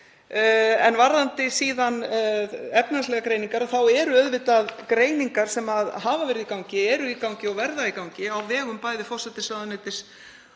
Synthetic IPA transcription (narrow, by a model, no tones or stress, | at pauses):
ɛnvaɾðant̪ɪsiːðan | ɛpnanslɛɣakɾeːjniŋkaɾaθawɛɾʏœðvɪt̪aðkɾeːjniŋkaɾ̥sɛmaðɦaːvavɛɾɪðikawɲcɪɛɾʏikawɲcɪɔɣvɛɾðaikawɲcɪawvɛːɣʏmpajðɪfɔr̥sɛt̪ɪsaðaneːt̪ɪs